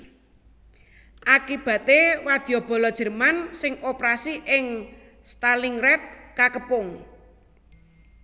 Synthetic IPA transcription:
ʔakib̥ä̤t̪ewad̪̥ijɔb̥ɔ̤lɔd̥ʒ̥ə̤rmansɪŋopɾasiʔɪŋ | st̪aliŋɾɛt̪̚kakəpʊŋ

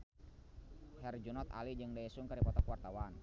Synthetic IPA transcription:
hɛrd͡ʒunɔt̪a̰lid͡ʒɨŋdaisuŋkaɾipɔt̪ɔkwart̪awan

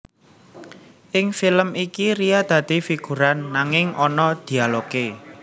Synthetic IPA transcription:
ʔɪŋfiləmikiɾijad̪̥ä̤d̪̥i̤fiɡ̥ṳɾanːaŋɪŋʔɔnɔd̪̥i̤aloke

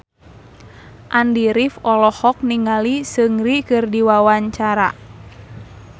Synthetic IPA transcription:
ʔandiɾifɔlɔhɔk̚niŋalisɨŋɾikɨrdiwawaɲt͡ʃaɾa̰

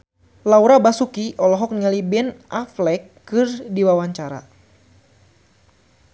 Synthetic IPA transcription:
lawɾabasukiʔɔlɔɦɔk̚niŋalibɛnʔaflɛkːɨrdiwawaɲt͡ʃaɾa̰

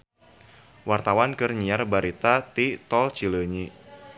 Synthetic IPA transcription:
wart̪awankərɲiarbaɾit̪at̪it̪ɔlt͡ʃiləɲi

